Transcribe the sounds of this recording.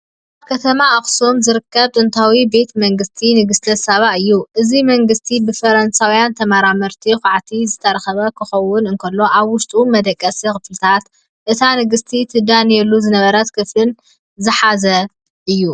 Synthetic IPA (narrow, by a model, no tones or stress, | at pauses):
aaβkʰɐt̪ʰɐmaʔɐxsomzɨɾɨkːɐβt̪ʼɨnt̪ʰawibe̞t̪mɐŋɡɨst̪ʰinɨɡɨst̪ɐsaβaʔɨjːuʔɨzimɐŋɡɨst̪ʰibɨfɐɾɐnsawijant̪ʰɐmaɾamɐɾt̪ʰixʷaʕt̪ʰizɨt̪ʰɐɾɐxɐβɐkʰɨxɐwːʊnɨnkʰɐlːo̞ʔaβwʊʃt̪ʼumɐd̪ɐkʼːɐsixɨflɨt̪ʰat̪ | ʔɨt̪ʰanɨɡɨst̪ʰit̪ʰɨd̪anjɛlːuzɨnɐβɐɾɐt̪kʰɨflɨn | zɨħazɐ | ʔɨjːu